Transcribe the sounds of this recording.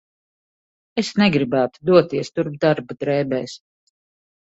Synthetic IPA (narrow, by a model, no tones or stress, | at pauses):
esnɛɡɾibæːt̪u̥d̪uɔt̪iɛst̪uɾb̚d̪aɾbud̪ɾɛːbɛːjs